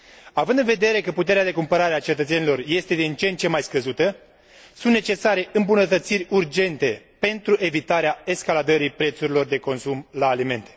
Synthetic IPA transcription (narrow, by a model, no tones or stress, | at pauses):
avɨnd̪ɨnve̞d̪e̞ɾe̞kəput̪e̞ɾead̪e̞kumpəɾaɾeat͡ʃe̞t̪ət̪se̞nilo̞rje̞st̪e̞d̪int͡ʃent̪t͡ʃe̞majskəzut̪ə | sunt̪ne̞t͡ʃe̞saɾe̞ʔɨmbunət̪ət̪sirʲurd͡ʒe̞nt̪e̞ | pe̞nt̪ɾuʔe̞vit̪aɾeae̞skalad̪əɾipɾe̞t̪suɾilo̞rd̪e̞ko̞nsumlaːlime̞nt̪e̞̥